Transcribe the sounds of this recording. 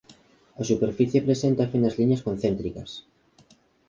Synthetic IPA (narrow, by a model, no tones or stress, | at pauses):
asupeɾfiθjepɾesent̪afenazliɲaskonθent̪ɾikas